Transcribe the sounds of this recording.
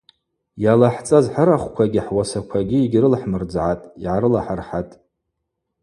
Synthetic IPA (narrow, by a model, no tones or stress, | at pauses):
jalaħt͡sʼazħəɾaχʷkʷʰaɡʲɪħwasakʷʰaɡʲiiɡʲrɨlħmɨrd͡zʕatʼiʕaɾɨlaħarħatʼ